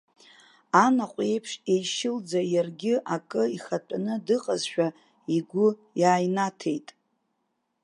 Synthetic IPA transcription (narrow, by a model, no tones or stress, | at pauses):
anaqʷʼe̞jpʰʂejʃɪld͡zajarɡʲɪʔakʼɨiχatʷʼanɨdɨqʼazʃᶣa | iɡʷʊ | jaːjnatʰe̞jtʼ